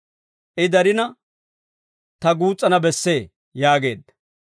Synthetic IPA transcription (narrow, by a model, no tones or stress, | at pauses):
ʔɪd̪ɐɾɪnɐ | t̪ɐɡuːt͡sʼːɐnɐbɛsːe̞ː | jaːɡe̞̰ːd̪ːɐ